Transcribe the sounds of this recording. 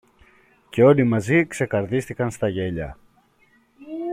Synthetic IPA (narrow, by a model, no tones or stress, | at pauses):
ce̞o̞limɐzikse̞kɐɾðist̪ikɐnst̪ɐʝe̞ʎɐ̰